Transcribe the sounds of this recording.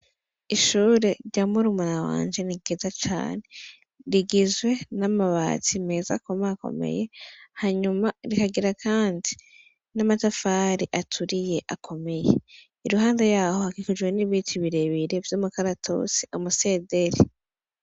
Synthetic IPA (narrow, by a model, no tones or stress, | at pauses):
iʃuːɾe̞ɾɟamuɾumanawa̰ːɲd͡ʒe̞niɡizat͡ʃa̰ːne̞ | ɾiɡizwe̞namaβa̰ːt͡sime̞ːza̰komako̞̰me̞̰je̞haɲumaɾikaɡiɾakʰaːndi | namatafaːɾiʔatʰuɾije̞ʔakʰo̞me̞jḛ | iɾuɦaːndejaːhohakikud͡ʒweniβiːtʰiβiɾe̞βiɾe̞vjoːmukaɾatʰo̰si̥omuse̞ːde̞ɾi